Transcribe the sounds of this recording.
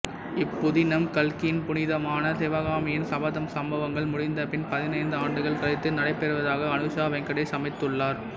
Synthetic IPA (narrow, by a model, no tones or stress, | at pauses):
ɪpːʊðɪnɐmkɐlkɪjɪnpʊnɪðɐmaːnɐsɛʋaɣaːmɪjɪnsɐbɐðɐmsɐmbɐʋɐŋɡɐɭmʊɽɪnd̪ɐpɪnpɐðɪnɐɪnd̪ɯaːɳɖɯɣɐɭkɪɾɐɪt̪ːɯnɐɽɐɪpːɛɾɯʋɐðaːɣɐːnɯʃaːʋɐŋkɐɽɐɪsɐmɐɪt̪ːɯɭːaːɾ